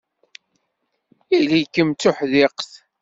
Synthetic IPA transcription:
ilijkːəmt͡sːʊħðɪqθ

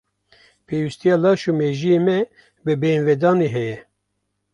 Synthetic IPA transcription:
pʰeːwist̪ijɑːlɑːʃumeːʒijeːmɛ | bɨbeːnvɛd̪ɑːneːɦɛjɛ

